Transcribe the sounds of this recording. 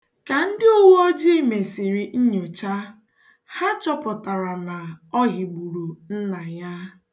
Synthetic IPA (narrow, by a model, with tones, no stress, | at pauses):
ka˨n̩˦dɪ˦o˦wu˦ɔ˦d͡ʒi˦me˨si˨ɾi˨˦ɲo˨t͡ʃa˦ | ha˦t͡ʃɔ˦pʊ˨ta˨ɾa˨na˨ɔ˦ɣi˨ɡ͡bu˨ɾu˨n̩˦na˨ja˦